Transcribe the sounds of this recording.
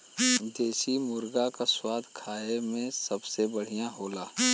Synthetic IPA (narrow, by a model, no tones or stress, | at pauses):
d͡ʒ̪eːsimʊɾɡakaswaːd̪ʱkʰaːemẽsɐbsebəɽ̤ijãɦoːlaː